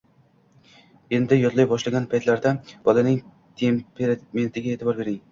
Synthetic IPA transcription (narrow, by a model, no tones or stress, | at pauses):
end̪ɪjɒt̪lˠajbɒʃlaɡʲanpʰajt̪ʰlaɾd̪ab̥ɒlanɪŋ | t̪ʰe̞mpʰeɾame̞nt̪ʰɪɡʲae̞t̪ʰɪbɒɾbe̞ɾɪŋ